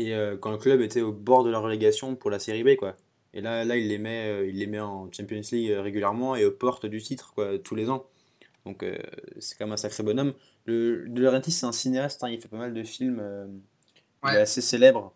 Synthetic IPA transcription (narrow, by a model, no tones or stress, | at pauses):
eøkɑ̃ləklœbet̪ɛobɔʁd̪əlaʁːəleɡasjɔ̃puʁlaseʁibekwa | ḛlalailːemɛøilːemɛɑ̃t͡ʃɛ̃pjɔnsliɡøʁeɡʲyljɛʁmɑ̃eopɔʁt̪d̪yt̪it̪χkwat̪ʰulezɑ̃ | d̪̥ɔ̃kø̰sɛ̥kɔmɛmɛ̃sakχebɔnɔm | ləd̪ələʁɛ̃t̪isɛt̪ɛ̃sineast̪t̪ɛ̃ilfɛpamald̪əfilmø | ɛaseselɛbʁ